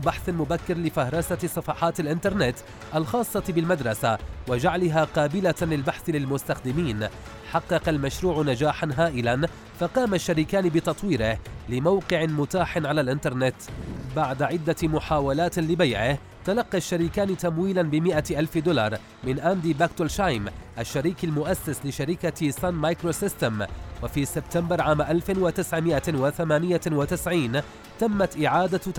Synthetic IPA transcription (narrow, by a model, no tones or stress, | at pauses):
baħθmʊbakːɪɾlɪfahɾˤɑsasˤːɑfɑːħɑːt̪alʔɪnt̪ɑɾˤnɪt̪ | ʔalxɑːsˤːɑbɪlmad̪ɾˤɑsawad͡ʒaʕlɪɦaːqɑːbɪlalɪlbaħθlɪlmʊst̪axd̪ɪmiːn | ħɑqːɑqɑlmaʃɾuːʕʊnad͡ʒaːħanɦaːʔɪlan | faqɑːmaʃːaɾiːkaːnɪbɪt̪ɑt̪ˤwiːɾɪhlɪmawqɪʕɪmʊt̪aːħɪnʕalaːlʔɪnt̪ɑɾˤnɪt̪baʕd̪aʕɪd̪ːamʊħaːwalaːt̪lɪbajʕɪh | t̪alɑqːiʃːaɾiːkaːnɪt̪amwiːlanbɪmɪʔaʔalfd̪ʊlɑ̰ɾˤ | mɪnʔand̪iːbakt̪ʊlʃajmʔaʃːaɾiːkalmʊʔasːaslɪʃaɾɪkasˤanmajkɾosɪst̪amwafiːsɪbt̪ambɑɾˤʕaːmʔalfɪnwat̪ɪsʕmɪʔawaθamaːnɪjawat̪ɪsʕiːn | t̪amːat̪ʔɪʕaːd̪a